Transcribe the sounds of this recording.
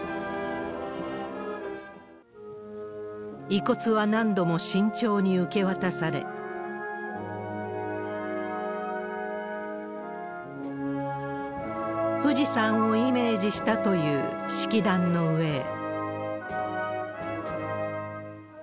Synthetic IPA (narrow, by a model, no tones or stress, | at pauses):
iko̞t͡sɨβanãnd̪o̞moɕĩɲ̟t͡ɕo̞ːɲ̟iɯ̟ke̞βat̪asaɾe̞̰ | ɸɯ̟ʑisãɰ̃o̞ime̞ːd͡ʑiɕi̥t̪at̪o̞jɯ̟ːɕi̥kʲid̪ãnːo̞ɯ̟e̞